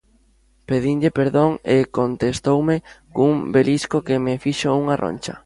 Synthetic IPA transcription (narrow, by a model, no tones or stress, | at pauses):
peðinʎepeɾðoŋekont̪est̪owmekuŋbeliskokemɪfiʃouŋarʔo̰nʲt͡ʃɐ̰